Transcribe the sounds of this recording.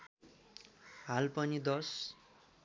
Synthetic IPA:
ɦalpʌnid̪ʌs

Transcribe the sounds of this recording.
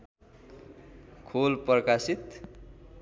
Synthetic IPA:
kʰolprʌkasit̪

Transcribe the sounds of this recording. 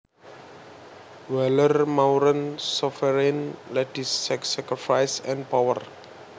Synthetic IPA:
wɛlərmawɾə̃nsɔfəɾẽnlɛdisːɛksɛkɾifajsɛ̃npawər

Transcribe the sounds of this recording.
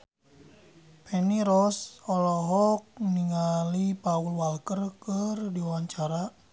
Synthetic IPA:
pʰɛniɾɔsɔlɔɦɔk̚niŋalipaulwalkərkərdiwaɲt͡ʃaɾa

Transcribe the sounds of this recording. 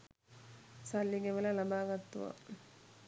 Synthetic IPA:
salːiɡeʋəlalabaːɡat̪ːuʋa̰

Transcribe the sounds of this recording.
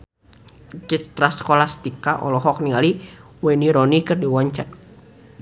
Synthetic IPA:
t͡ʃit̪ɾaskɔlast̪ikaʔɔ̰lɔɦɔk̚niŋali | wɛniɾɔnikɨrdiwaɲt͡ʃa̰t̚

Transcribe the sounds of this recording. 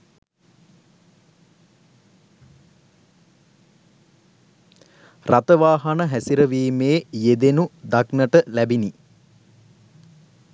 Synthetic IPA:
rat̪əʋaːɦɐnəɦæsiɾəʋiːmeːjed̪enud̪aknəʈəlæbini

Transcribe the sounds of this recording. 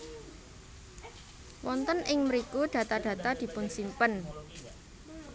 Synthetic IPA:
wɔnt̪ənʔɪŋməɾikuɖ̥ä̤t̪ad̥ä̤t̪ad̪̥i̤pʊnsimpən

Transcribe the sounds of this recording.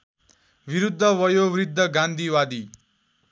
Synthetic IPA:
biɾud̪ʱːʌwʌjowrid̪ʱːʌɡãnd̪ʱiwad̪i

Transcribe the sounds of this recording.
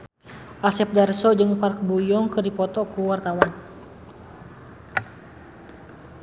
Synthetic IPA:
ʔasɛp̚darsɔd͡ʒɨŋpark̚bujɔŋkɨrdipɔt̪ɔkuwart̪awan

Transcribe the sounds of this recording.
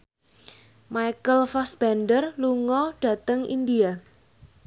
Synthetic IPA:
majkəlfasb̥ɛnɖərluŋɔɖ̥a̤t̪əŋʔḭndia

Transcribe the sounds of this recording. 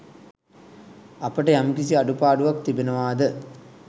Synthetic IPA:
apəʈəjamkis̬iaɖupaːɖuʋak̚t̪ibenəʋaːd̪ə

